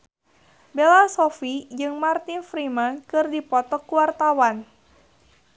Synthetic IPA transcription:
belasofid͡ʒɨŋmart̪infɾimankɨrdipɔt̪ɔkuwart̪awan

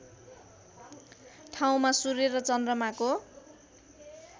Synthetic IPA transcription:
ʈʰaw̃masuɾeɾʌt͡sʌndrʌmako

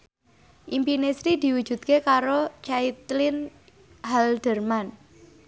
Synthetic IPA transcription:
ʔimpinesɾid̪i̤wu̥ʒ̥ṳt̪̚kekaɾot͡ʃait̪lɪn | ɦaldərman

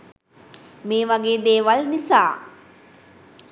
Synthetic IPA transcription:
meːʋaɡeːd̪eːʋalnisaː

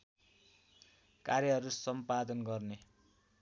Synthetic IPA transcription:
karjʌɦʌɾusʌmpad̪ʌnɡʌrne

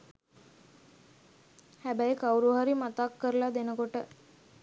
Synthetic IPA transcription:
hæbæjkawɾuɦaɾimat̪akːəɾəlad̪enəkoʈə

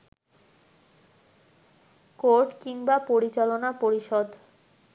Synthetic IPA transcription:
koɾʈkiŋbapoɾit͡ɕalonapoɾiʃɔd̪

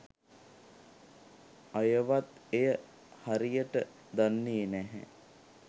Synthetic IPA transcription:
ajəʋat̪ejə | haɾijəʈə | d̪anːeːnæɦɛ̰

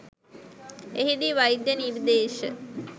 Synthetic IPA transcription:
eɦid̪iʋajd̪jəniɾd̪eːʃə

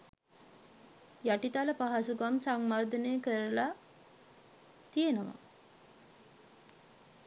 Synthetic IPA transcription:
jaʈit̪aləpaɦasuɡamsaŋmard̪ənejəkəɾəla | t̪ijenəʋa̰

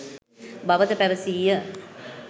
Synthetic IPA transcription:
baʋət̪əpæɾəsiːjə

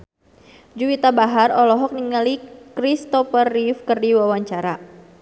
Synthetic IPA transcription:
d͡ʒuwit̪abaɦarɔlɔɦɔk̚niŋalikɾist̪ɔfərːifkərdiwawaɲt͡ʃaɾa

